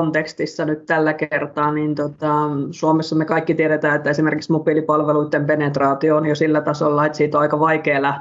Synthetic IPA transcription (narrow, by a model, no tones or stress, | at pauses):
ont̪ekst̪isːɑnyt̪t̪ælːækert̪ɑːniːnt̪ot̪ɑsuomesːɑmekɑikːit̪ieɾet̪æːet̪ːæesimerkiksmupilipɑlʋeluit̪ːempenet̪rɑːt̪ioːnjosilːæt̪ɑsolːɑet̪siːt̪ːoɑikɑʋɑikeːlɑ